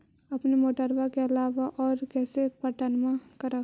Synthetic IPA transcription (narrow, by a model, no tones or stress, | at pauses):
ɐpnimoːʈəɾʋakeəlaːʋaʔɔːɾkɛːsepəʈənmãkəɾək